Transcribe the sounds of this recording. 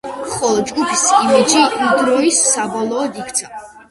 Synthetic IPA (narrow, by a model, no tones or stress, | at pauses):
χɔlˠɔd͡ʒɡupʰisimid͡ʒiid̪ɾɔisːabɔlˠɔːd̪ikʰt̪sʰa